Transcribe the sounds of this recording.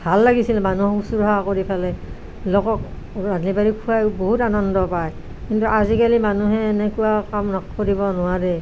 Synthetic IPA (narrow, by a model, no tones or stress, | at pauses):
bʱalːaɡisilmanuhɔkusuɹɦakoɹipʰalɛ | lɔkɔk̚ | ɹanibaɹikʰuajboɦutanɔndɔpaj | kintuʔazikalimanuɦɛːnɛkuwakamnɔkoɾibɔnʊwadɛ